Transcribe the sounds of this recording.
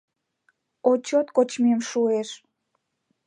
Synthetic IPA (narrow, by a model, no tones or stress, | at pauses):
ot͡ɕot̪kot͡ɕmemʃueʃ